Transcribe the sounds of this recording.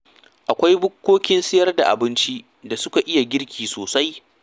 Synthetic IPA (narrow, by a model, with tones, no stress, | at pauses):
ʔa˨kʷa˦jbʊ˦kʷːoː˦kʲɪ˦nsɪ˦jɐ˦rda˨ʔa̰˨bɪ˦nt͡ʃi˦ | da˨sʊ˦ka˨ʔɪ˦ja˨ɡʲɪ˦ɽkʲiː˨soː˨sa˦j